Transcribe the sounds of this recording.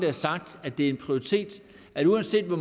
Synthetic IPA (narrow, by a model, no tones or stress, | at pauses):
d̥ɐæɐsɑ̈ɡ̥̚d̥æd̥e̝æɐe̝npʰʁioʁit͡sʰe̝̰ːd̥ | æuænse̝̰ːd̥ʋɒ